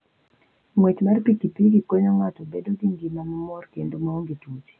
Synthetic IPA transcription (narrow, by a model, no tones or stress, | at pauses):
mwet͡ʃmarpikipiɡikoɲɔŋatɔbedoɡiŋɡimaŋɔmɔrkendumaoŋɡitut͡ʃi̥